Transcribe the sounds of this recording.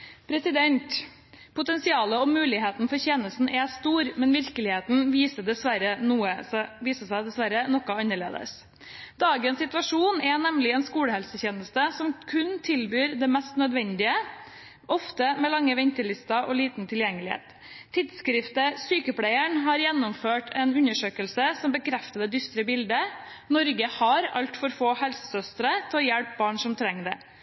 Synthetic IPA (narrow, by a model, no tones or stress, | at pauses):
pʰɾɛsɪd̪ɛnt̪ | pʰʊt̪ɛnsɪɑːləɔmʉːlɪɦeːt̪n̩fɔɾçɛːnəst̪n̩ʔɛst̪uːɾmɛnʋɪɾkəlɪheːt̪n̩ʋiːsəd̪ɛsʋæɾənuːəʋiːsəsæɪd̪ɛsʋæɾənɔkːɑɑnːəɭḛːd̪ə̰s | d̪ɑːɡənsɪt̪ʋɑʂuːnɛnɛmlɪɛːnskuːləhɛlsəçeːnəst̪əsɔmkʰʉnt̪ʰɪlbyːɾd̪ɛmɛst̪nœd̪ʋɛnd̪ɪə | ʔɔft̪əmɛːlɑŋːəʋɛnt̪əɭɪst̪ɑʔɔliːt̪nt̪ʰɪljɛŋːəlɪhḛːt̪ʰː | ɪd̪skɾɪft̪əsyːkəpʰɽæɪəɳɦɑɾjɛnːɔmføːʈʰɛnʉɲəʂøːkəlsəsɔmbəkʰɾɛft̪əd̪əd̪ʏst̪ɾəbɪld̪ə | nɔɾɡəhɑɾɑlt̪fɔɾfoːhɛlsə̥sœst̪ɾət̪ʰɛɔjɛɽp̚bɑːɳʂɔmt̪ʰɾɛŋːd̪ɛ̰